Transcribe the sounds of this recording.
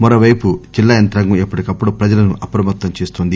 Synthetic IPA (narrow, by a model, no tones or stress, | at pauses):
mɐɾoʋɐjput͡ʃilːɐjɐnt̪ɾɐŋɡuepːuʈikɐpːuɽupɾɐd͡ʒɐlɐnuʔɐpɾɐmɐt̪ːɐmt͡ʃeːst̪oːnd̪i